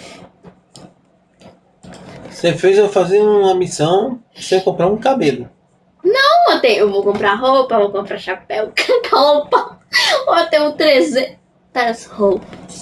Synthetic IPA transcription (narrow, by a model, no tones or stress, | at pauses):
sefejzewfaziɐuɐmisɐ̃w̃ | sekõpɾaɾũkabelʊ | nɐ̃w̃õt̪ẽj̃ewvowkõmpɾaɦopɐvowkõmpɾaʃapɛwkkaopɐoot̪ẽj̃ʊ̃t̪ɾezẽ | t̪ɐshowpɐs